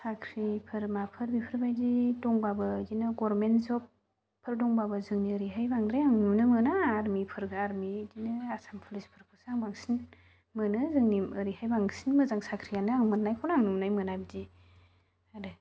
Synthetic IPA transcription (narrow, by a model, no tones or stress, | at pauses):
sakʰɾipʰɯɾmapʰɯɾbipʰɯɾbajdidɔŋbabɯdinɯɡɔɾɾmenzɔpʰː | ɯɾdɔŋbabɯzɯŋniəɾiɦajbaŋd̪ɾajaŋnumnɯmɯnaːɾmipʰɯɾɡɯaɾmidinɯasampʰɯlispʰɯɾpʰɯsaŋbaŋsin | mɯnɯzɯŋniɯɾihajbaŋsinmɯzaŋsakʰɾijanɯaŋmɯnnajkʰɔwnaŋnumnajmɯnabɯdi | adɯ